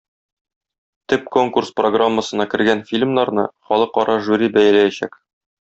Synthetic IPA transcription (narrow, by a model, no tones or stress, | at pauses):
t̪ɘp̚ko̞ŋkurspro̞ɡramːəsɤ̆nɑkɘ̆ɾɡænfʲilʲmnɑɾnɤχɒlˠɤqɒɾɑʒuɾʲibæj̪ælæjæɕæ̰k